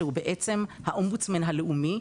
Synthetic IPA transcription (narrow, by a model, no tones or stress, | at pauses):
hubeʔet͡semhaʔombut͡smanɦaleʔumi